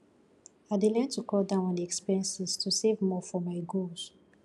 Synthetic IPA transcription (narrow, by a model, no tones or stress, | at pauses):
adelɛ̃ntʰukʰɔldãʊ̃nɔ̃ndɛkspiɹɛ̃nsiztʰusevmɔfɔmaɪɡols